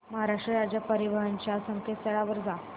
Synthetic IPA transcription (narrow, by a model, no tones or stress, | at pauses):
məɦaɾaʂʈɾəɾad͡ʑjapəɾiʋəɦaɲt͡ɕjasəŋkʰet̪t̪əɭaʋəɾd͡za